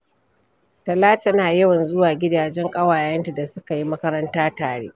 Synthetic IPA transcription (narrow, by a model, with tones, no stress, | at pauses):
tɐ˨laː˦tɐ˦naː˨jɐ˦wɐ˨nzʊ˦waː˨ɡʲɪ˦daː˨d͡ʒɛ˦ŋkʼɐ˦waː˨jɐ˦nta˨da˨sʊ˦ka˨ji˦mɐ˦kɐ˦ɾɐ˦ntaː˦taː˨ɽḛː˦ʔ